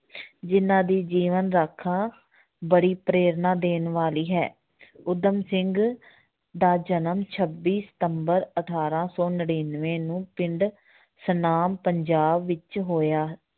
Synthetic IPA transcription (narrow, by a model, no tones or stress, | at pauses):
d͡ʒɪnãːd̪iːd͡ʒiːʋənɾaːkʰːãː | bəɽiːpɾeːɾnãːd̪eːnʋaːliːɦɛ̰ː | ʊd̪əmsɪŋɡ | d̪aːd͡ʒənəmt͡ʃʰəbːiːsə̥t̪əmbəɾəʈʰaːɾãːsɔːnəɽiːnʋẽːnũːpɪɳɖ | sənaːmpəɲd͡ʒaːbʋɪt͡ʃɦoːjaː